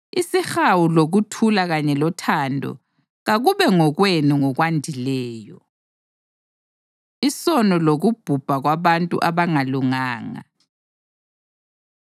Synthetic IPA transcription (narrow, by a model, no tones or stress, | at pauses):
isixawuloɣutʰulaɣaɲɛlɔtʰandʱɔ̰ | ɣaɣuβɛŋɔɣwenuŋɔɣwandʱilɛːjɔ | isɔnɔloɣub̥ʱub̥ʱaɣwaβantʼṵʔaβaŋaluŋaːŋa̰